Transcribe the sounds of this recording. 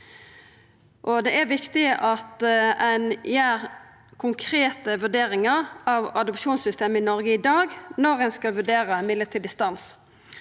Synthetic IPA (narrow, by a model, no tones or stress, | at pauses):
ʔɔd̪ɛʔæɾʋɪkt̪ɪʔɑt̪ɛnjæːʁ | kʰʊŋkʰʁeːt̪əʋʉɖeːɾɪŋəɾɑʋɑd̪ɔpʃuːnsʏst̪eːməɪnɔʁɡəɪd̪ɑːɡnɔʁɛnskɑlʋʉɖeːʁɑmɪd̪ət̪ʰɪld̪ɪst̪ɑns